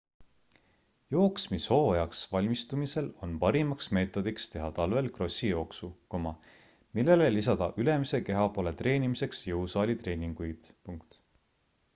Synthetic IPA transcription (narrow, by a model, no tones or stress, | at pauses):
jo̞ːksmisho̞ːjɑksvɑlʲmist̪umise̞lo̞npɑɾimɑksme̞ːt̪ˑo̞d̪ikst̪e̞ɦɑt̪ɑlve̞lkro̞sʲːijo̞ːksuko̞mɑ | milːe̞lelisɑd̪̥ɑʔyle̞mise̞ke̞ɦɑpo̞ːle̞t̪re̞ːnʲimise̞ksjɤusɑːlʲit̪ɾe̞ːnʲiŋɡ̥ujd̪̥puŋkt̪